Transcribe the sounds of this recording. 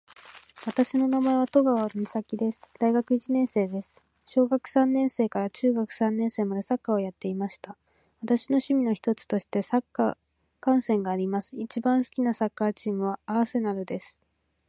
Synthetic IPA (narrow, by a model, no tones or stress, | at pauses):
βat̪aɕino̞namae̞β̞at̪o̞ɡaβamʲisakʲid̪e̞sɨ̥d̪̥aiɡakɯ̟it͡ɕinẽ̞ɰ̃se̞ːd̪e̞sɨ̥ | ɕo̞ːɡakɯ̟̥sãnːẽ̞ɰ̃se̞ːkaɾat͡ɕɨːɡakɯ̟̥sãnːẽse̞ːmad̪e̞sakːao̞jat̪ːe̞imaɕi̥t̪a | βat̪aɕino̞ɕɨmʲino̞çi̥t̪o̞t͡sɨ̥t̪o̞ɕi̥t̪e̞sakːa̰ | kãɰ̃sẽ̞ŋɡaːɾʲimasɨ̥it͡ɕibãɰ̃sɨ̥kʲinasakːat͡ɕiːmɯ̟βaːβase̞naɾɯ̟d̪e̞sɨ̥